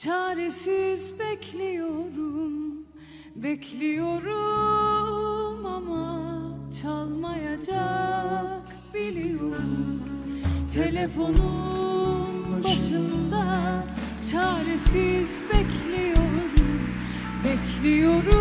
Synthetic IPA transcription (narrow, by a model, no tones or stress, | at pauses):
t͡ʃʰaːɾesizbɛcʰlʲijo̞ɾum | bɛcʰlʲijo̞ɾu | mamat͡ʃʰalˠmajad͡ʒa | k | b̥ilʲijoɾumum | t̪ʰelʲefo̞nu | nbaʃɯnd̪a | t͡ʃʰaːɾesizbɛclʲijo̞ɾɾum | bɛclʲijo̞ɾu